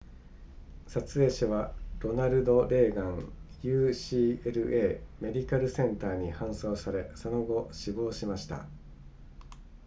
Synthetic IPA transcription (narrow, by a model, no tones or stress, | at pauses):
sat͡sɨe̞ːɕaβaɾo̞naɾɯ̟d̪o̞ɾe̞ːɡãŋjɯ̟ːɕiːeɾɯ̟ʔe̞ːme̞d̪ʲikaɾɯ̟sẽ̞nt̪aːɲ̟ihãɰ̃so̞ːsaɾe̞so̞no̞ɡo̞ɕibo̞ːɕimaɕi̥t̪a̰